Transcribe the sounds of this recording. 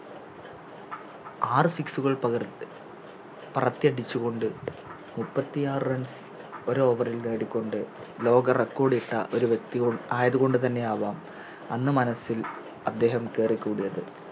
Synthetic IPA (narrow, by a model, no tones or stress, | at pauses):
aːrɨsiksuɣɐɭpr | pɐrɐt̪ːjɐɽit͡ɕːuɣo̞ɳɖɨ | mupːɐt̪ːijaːrrɐns | o̞ɾoːʋɐrilneːɽikʲːo̞ɳɖɨlo̞ːɡɐrekːo̞ːɽiʈːɐ̰ʔo̞ɾuʋjek̚t̪iɣoɳaːjɐðuɣo̞ɳɖɨt̪ɐnːe̞aːʋaːm | ɐnːɨmɐnɐsil | ɐd̪ːe̞ːɦɐmke̞ːrikʲːuːɽijɐðɨ